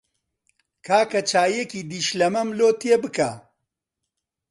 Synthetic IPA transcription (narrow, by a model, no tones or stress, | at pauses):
kʰaːkɐt͡ʃaːjekiːd̪iːʃlɐmɐmloːt̪ʰeːbɨka